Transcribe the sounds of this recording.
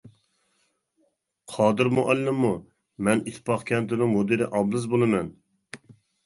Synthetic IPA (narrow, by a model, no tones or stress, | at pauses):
qʰɑːd̪ɨɾmʊʔælːɪmːu | mɛnit̪ʰːpɑχkʲʰɛnt̪ɪnɪŋmod̪ɨɾɪʔɑblˠɨzbolˠɨmɛn